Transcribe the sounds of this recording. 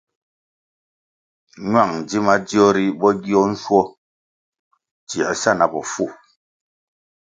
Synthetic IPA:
ɲwa˦˨ŋ˨d͡ʒi˦ma˦di˦ɔ˦ɾi˦bɔ˦ɡi˦ɔ˦n̩˦swɔ˦ | ti˨a˨sa˦˨na˨bɔ˨fu˦˨

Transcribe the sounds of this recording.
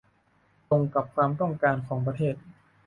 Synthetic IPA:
to˧ŋka˨˩p̚kʰwaː˧mt̪ɔ˥˩ŋkaː˧nkʰɔː˩˦ŋp̬ɾa˧t̪ʰeː˥˩t̪̚

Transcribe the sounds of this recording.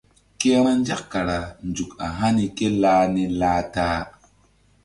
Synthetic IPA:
ke˦ɾa˦nd͡ʒa˦kːa˨ɾa˨nd͡ʒu˨ka˨ɦa˦ni˦ke˦laː˦ni˦laː˦taː˦

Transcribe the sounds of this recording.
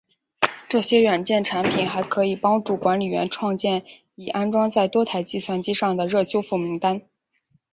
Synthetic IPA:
ʈ͡ʂɤ˥˩ɕjɛ˥ɥɛ˨˩nt͡ɕjɛ˥˩nʈ͡ʂʰa˧˥npʰi˨˩nxa˧˥ɪkʰɤ˧˥i˨˩pɑ˥ŋʈ͡ʂu˥˩kwa˧˥nli˨˩ɥɛ̰˧˥nʈ͡ʂʰwɑ˥˧ŋt͡ɕjɛ˥˩n | i˨˩ʔa˥nʈ͡ʂwɑ˥ŋt͡sa˥˩ɪt̪wɔ˥t̪ʰa˨˧˥ɪt͡ɕi˥˧swa˥˩nt͡ɕi˥ʂɑ˥˩ŋd̪ə˩ɻɤ˥˩ɕjo˥ʊfu˥˩mi˧˥ŋt̪a˥n

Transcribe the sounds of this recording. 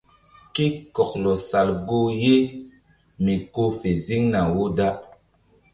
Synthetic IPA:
ki˦kɔ˨k̚lɔ˨sa˨lɡo˦je˦ | mi˨ko˦fe˨zi˦ŋna˨wo˦da˦

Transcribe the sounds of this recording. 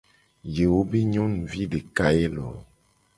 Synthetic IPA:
je˨wo˦be˦ɲɔ̃˦n˨vi˦ɖe˨ka˦e˦lɔ̰˨

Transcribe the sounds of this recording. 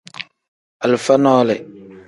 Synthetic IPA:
a˨lfa˦nɔː˦lɪ˨

